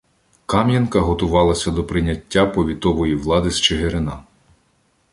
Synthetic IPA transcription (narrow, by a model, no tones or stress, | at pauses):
kɑmjɐnkɐɦɔt̪ʊʋɑlˠɐsʲɐd̪ɔpɾɪnʲɐtʲːapɔʋʲit̪ɔʋɔjiʋlˠɑd̪ɪst͡ʃeɦeɾɪnɑ